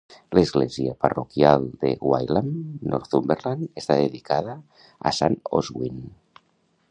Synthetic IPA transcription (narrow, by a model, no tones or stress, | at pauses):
ləzɣleziaparokjalˠd̪ḛwajlamːɔɾθumbeɾlanest̪aðeðikaða | a̰sano̰zɣwin